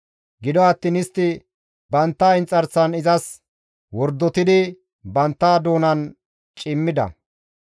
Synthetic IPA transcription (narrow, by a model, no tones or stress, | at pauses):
ɡɪd̪ɔɐt̪ːinɪst̪ːɪ | bɐnt̪ːɐɪnt͡sʼːɐɾsɐnɪzɐs | wɔɾd̪ːɔt̪ɪd̪ɪ | bɐnt̪ːaːd̪oːnɐn | t͡ʃʼɪmːɪd̪ɐ̰